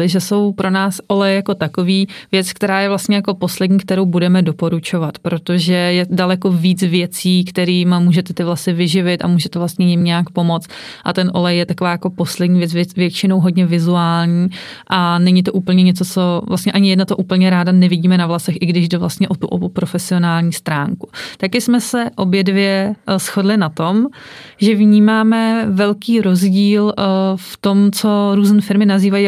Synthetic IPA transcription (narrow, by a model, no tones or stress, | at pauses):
ɪʒɛso̞wpɾonaːsʔo̞lɛjɛjako̞t̪akoviːvjɛt͡skt̪ɛɾaːjɛvlast̪ɲɛjako̞po̞slɛdɲiːkt̪ɛɾo̞wbudɛmɛdo̞po̞ɾut͡ʃo̞vat̪pɾot̪o̞ʒɛjɛdalɛko̞viːt͡svjɛt͡siːkt̪ɛɾiːmmuːʒɛt̪ɛt̪ɪvlasɪvɪʒɪvɪt̪a̰muːʒɛt̪ɛvlast̪ɲɛjɪmɲaakpo̞mo̞t͡st̪ | ʔa̰t̪ɛnʔo̞lɛjjɛt̪akovaːjako̞po̞slɛdɲiːvjɛt͡svɛvjɛt͡ʃɪnowɦo̞dɲɛvɪzuaːlɲiː | ʔanɛɲɪt̪̬o̞ʔuːpl̩ɲɛɲɛt͡so̞t͡so̞vlʔast̪ɲɛʔaɲɪjɛdnat̪oʔuːpl̩ɲɛɾaːdanɛvɪɟiːmɛnavlasɛxʔɪɡdɪʒdɛvlast̪ɲɛʔot̪uʔo̰bupɾo̞fɛsɪo̞naːlɲiːst̪ɾaːŋkut̪akɪsmɛsɛʔo̞bjɛdvjɛsxo̞dlɪnat̪o̞mʒɛvɲiːmaːmɛvɛlkiːɾo̞zɟiːlft̪o̞mt͡so̞ɾuːznɛfɪɾmɪnaziːvaji